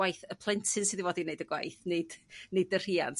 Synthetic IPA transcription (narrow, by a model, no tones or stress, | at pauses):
wajθəpʰlˠɛntʰɨnsɨðivɔːdineɨdəɡwa̰jθnɨd̥nɨdər̥ia̰nt